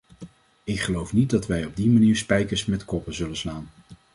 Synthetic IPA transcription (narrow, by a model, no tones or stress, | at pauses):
ɪkχəlowfnit̚dɑtʋɛjɔb̚dimaniːɹspɛjkəɹsmɛtkɔpəzɵlənslaːn